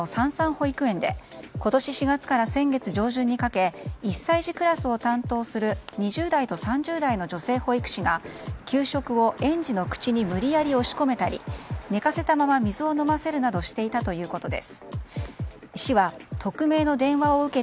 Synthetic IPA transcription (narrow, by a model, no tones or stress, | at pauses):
osãɰ̃sãɰ̃ho̞ikɯ̟ẽ̞nd̪e̞̰ko̞t̪o̞ɕiɕiɡat͡sɨ̥kaɾasẽ̞ŋɡe̞t͡sɨʑo̞ːʑɨ̃ɲ̟ːikake̞isːaiʑikɯ̟ɾasɨo̞t̪ãnt̪o̞ːsɨɾɯ̟ɲ̟iʑɨːd̪ait̪o̞sãɲ̟d͡ʑɨːd̪aino̞d͡ʑo̞se̞ːho̞ikɯ̟̥ɕiɡakʲɨːɕo̞kɯ̟o̞ʔẽ̞ɲd͡ʑino̞kɯ̟̥t͡ɕiɲ̟imɯ̟ɾʲijaɾʲio̞ɕi̥ko̞me̞t̪aɾʲḭne̞kase̞t̪amamamʲizɨo̞no̞mase̞ɾɯ̟nad̪o̞ɕi̥t̪e̞it̪at̪o̞jɯ̟ːko̞t̪o̞d̪e̞̰sɨ̥ | ɕiβat̪ʰo̞kɯ̟me̞ːno̞d̪ẽ̞ɰ̃βao̞ɯ̟ke̞